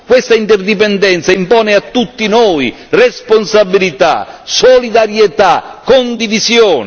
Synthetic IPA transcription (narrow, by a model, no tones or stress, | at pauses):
kwɪst̪aint̪ɛrd̪ipɛnd̪ɛnt̪saimpɔːneat̪ːut̪ːinoːi | responsabːilit̪a̰solid̪aɾjet̪akːond̪ivizjɔːn